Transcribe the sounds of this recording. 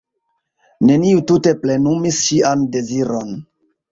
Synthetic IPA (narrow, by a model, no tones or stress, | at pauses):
ne̞niutute̞ple̞numisʃiʔande̞ziɾo̞n